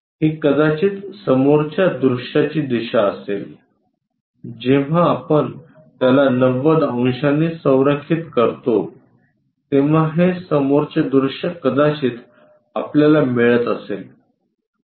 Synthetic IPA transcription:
ɦiːkəd̪at͡ɕiːt̪səmoɾt͡ɕjad̪ɾuʂat͡ɕiːd̪iɕaəsel | d͡ʑeʋ̤aːpəɳ | t̪jalanəʋəd̪aw̃ɕanːisə̃w̃ɾəkʰːit̪kəɾt̪o | t̪eʋ̤aɦesəmoɾt͡ɕed̪ɾuʂəkəd̪at͡ɕiːt̪ | apljalamiɭət̪əsel

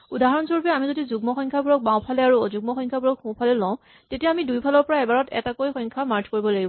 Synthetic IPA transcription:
udaɦaɹɔnsoɹupɛamizodizuɡmɔxɔŋkʰabuɹɔk̚bãw̃pʰalɛaɹuzuɡ̚mɔxɔŋkʰabuɹɔkxũpʰalɛlɔ̃ʊ̃ | tetijaːmidujpʰalɔɹpɔɹaɛbaɹɔtɛ̰takojxɔŋkʰamaɹd͡ʒkoɹibɔlaɡibɔ̃

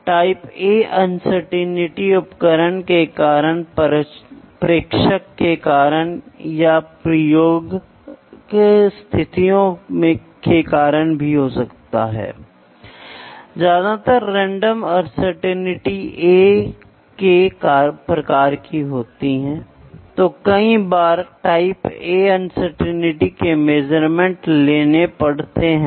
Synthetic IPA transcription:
ʈaːɪpeːʔɐnsəɾʈenɪʈiʊpkəɾəɳkekaːɾəɳ | pɾeːkʃəkːekaːɾəɳ̃japɾɐjoːɡ | kest̪ʰɪt̪ijõmẽ | kekaːɾəɽ̃bʱiɦosɐkt̪a̰ɦɛ̰ː | d͡ʒjaːd̪at̪əɾːɛ̃ːɳɖəmɔɐɾsəɾʈɛnɪʈieː | kekaːpɾɐkaːɾkiɦoːt̪iɦɛ̃ː | t̪oːkɐĩbaːɾʈaːɪpeːɐnsəɾʈɛnɪʈikemed͡ʒəɾmẽɳʈleːnepɐɽt̪eɦɛ̃

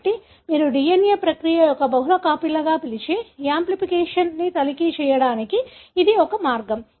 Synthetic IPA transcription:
ʈːi | miːɾuɖijenjepɾɐkɾijɐjɔkɐbɐɦulɐkaːpilːɐɡaːpilit͡ʃeːjaːmplipikeːʂɐnnit̪ɐlikit͡ʃɛːjɐɽaːnikiːd̪iɔkɐmaːɾɡɐm

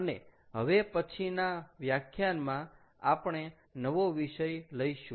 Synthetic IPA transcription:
əne | ɦəʋepət͡ʃʰinaʋjakʰjanmã | apɳ̃e | nəʋoʋiʃəjləjʃũ

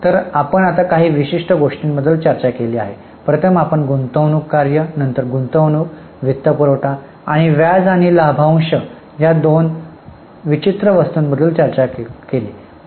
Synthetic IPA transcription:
t̪əɾapəɳat̪akaɦiːʋiɕiʂʈəɡoʂʈinbəd̪ʱːəlt͡ɕəɾt͡ɕakeliːa̰ɦe | pɾət̪ʰəmapəɳɡunt̪əʋnukːaɾjənənt̪əɾɡunt̪əʋnuːk | ʋit̪ːəpuɾoʈaː | ɽ̃iʋjad͡zaɽ̃ilabʱaʋ̃ŋɕə | jad̪on | ʋit͡ɕit̪ɾəʋəst̪uːnbəd̪ʱːəlt͡ɕəɾt͡ɕakkeliː

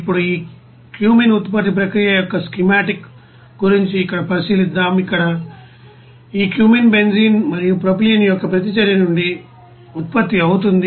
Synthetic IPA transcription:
ipːuɽuiː | kjuːmenut̪pɐt̪ːip̬ɾɐkɾijɐjɔkːɐskimaːʈik | ɡuɾiɲt͡ʃiːkːɐɽɐpɐsilid̪ːaːmikːɐɽɐ | iːkjuːmenbe̞nziːnmɐɾijupɾop̬lijɐnijɔkːɐpɾɐt̪̬it͡ʃɐɾjɐnuɳɖi | ut̪̚pɐt̪ːiɐwut̪̬und̪i

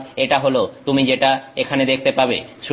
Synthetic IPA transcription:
eʈaɦolot̪umid͡ʑeʈaekʰaned̪ek̚ʰt̪epabḛʃ

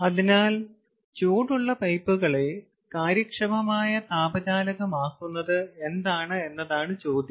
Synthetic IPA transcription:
ɐðinaːl | t͡ɕoːʈuɭːɐpɐjpːuɣɐɭe | kaːɾjɐkʂɐmɐmaːjɐt̪aːbɐðaːlɐɣɐmaːkːunːɐðɨe̞nd̪aːɳɨe̞nːɐðaːɳɨt͡ɕo̞ːd̪jɐ

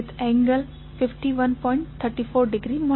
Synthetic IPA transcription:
ɪt̪ɛ̃ːŋɡəl | fɪfʈiʋɐ̃npɔ̃ːɪ̃ɳʈ̚t̪ʰəɾʈifoːɾɖɪɡɾiːmɔ

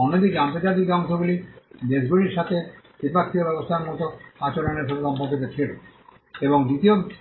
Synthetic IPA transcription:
ɔnod̪id͡ʑamt̪ed͡ʑad̪iɡank̪ʰobulib̪eʃɡuɾiɾʃat̪ʰed̪iɾbak̚t̪ʰːiobɛbost̪ʰaɾmɔt̪oat͡ɕoɾoneɾʃɔt̪eʃɔmpoɾkːit̪et͡ɕʰilo | eboŋd̪it̪io

